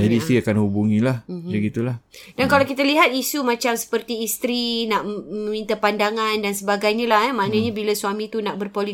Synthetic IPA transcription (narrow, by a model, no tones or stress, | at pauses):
d͡ʒadiːst̪ɾiakanhubuŋĩlah̩bəɡit̪ulahdankalawkit̪aliɦat̪̚isumãt͡ʃamsə̥pərt̪iːst̪ɾinaʔmə̃mĩnt̪apandaŋãndansəbaɡajɲalahɛmaʔnaɲabilasuamĩt̪unaʔbərpoli